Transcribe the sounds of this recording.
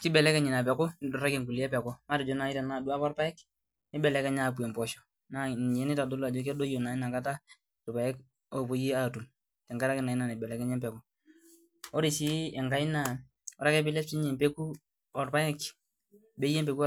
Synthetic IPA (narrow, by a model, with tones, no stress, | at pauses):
kɪ˦bɛ˨lɛ˦kɛ˦ɲɪ˨na˨pɛ˨kʊ˦nɪ˨dʊ˨ɾa˦ke˨ŋku˨li˦ɛ˦pɛ˨kʊ˦ma˦ɾɪ˨d͡ʒo˨˦na˨ɪ˦ta˨na˨du˦a˦pɔ˦ɾpa˦jɛ˦k | nɪ˦bɛ˨lɛ˨˦kɛ˦ɲa˦˨p̬u˨ɛ˨mpɔ˨ʃɔ̥˨ | na˨n˨jɛ˦nɪ˦ta˨do˦la˨d͡ʒo˦ke˦do˦jo˨na˨ɪ˦na˨ka˦ta˦ | tu˨pa˨jɛ˦k | o˨po˨˦ji˦a˦˨tu˨m | tɛ˨ŋɡa˦ɾa˦kɛ˦na˨i˦na˨ni˨bɛ˨lɛ˨˦kɛ˦ɲɛ˦mpɛ˨kʊ˦ | o˦ɾi˨si˦ɛ˨ŋɡa˨i˦na˨ | ɔ˨ɾa˦kɛ˦pɪ˦lɛ˦si˦ɲi˨mpe˦ku˦ | ɔ˨ɾpa˦jɛ˦k | be˦je˦mpe˨ku˦